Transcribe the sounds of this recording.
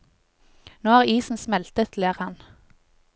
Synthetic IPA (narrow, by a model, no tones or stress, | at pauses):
noːhæːʁiːsn̩smɛlt̪ət̪ʰleːʁhɑn